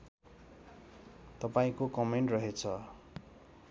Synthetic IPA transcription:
t̪ʌpaĩkokʌmeɳʈrʌɦet͡sʰʌ

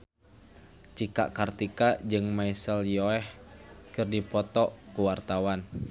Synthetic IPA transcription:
t͡ʃika̰ʔkart̪ikad͡ʒɨŋmaisəljɔɛhkɨrdipɔt̪ɔkuwart̪awan

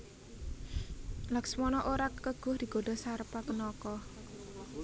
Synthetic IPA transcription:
laksmɔnɔʔoɾakːəɡ̥ʊ̤hd̪̥i̤ɡ̥o̤ɖa̤saɾpakənɔkɔh

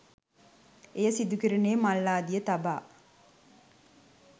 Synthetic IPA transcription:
ejɐsid̪ukiɾineːmɐlːaːd̪ijət̪ɐbaː

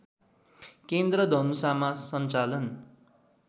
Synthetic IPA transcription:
kend̪rʌd̪ʱʌnusamasʌnt͡salʌn

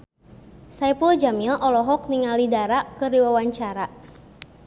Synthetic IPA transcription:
saipuld͡ʒamɪlʔɔlɔɦɔk̚niŋalidaɾakəɾiwawaɲt͡ʃaɾa

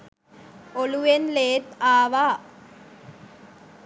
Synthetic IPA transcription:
oluʋenleːt̪aːʋaː

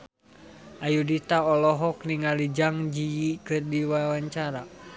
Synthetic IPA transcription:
ʔajudit̪aɔlɔɦɔk̚niŋalid͡ʒaŋd͡ʒijikɨrdiwawaɲt͡ʃaɾa

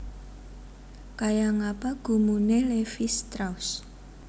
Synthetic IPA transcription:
kajaŋapaɡ̥ṳmunelefist̪ɾaus

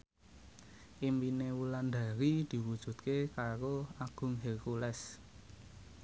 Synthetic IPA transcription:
ʔimpinewuland̪a̤ɾid̪̥i̤wud̥ʒ̥ṳt̪̚kekaɾoaɡ̥ʊ̤ŋɦɛlkulɛs

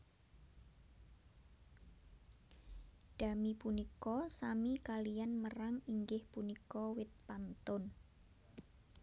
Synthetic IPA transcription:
d̥a̤mipunikɔsamikalijanməraŋiŋɡɪhpunikɔwɪt̪̚pant̪ʊn

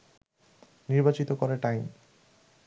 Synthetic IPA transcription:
niɾbat͡ɕit̪okoɾeʈajm

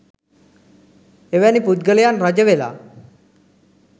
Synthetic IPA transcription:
eʋanipud̪ɡəlijanɾəd͡ʒəʋela̰

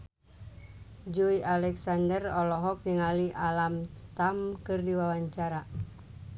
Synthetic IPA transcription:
d͡ʒuiʔalɛksandərɔlɔɦɔk̚niŋaliʔalamt̪amkɨrdiwawaɲt͡ʃaɾa

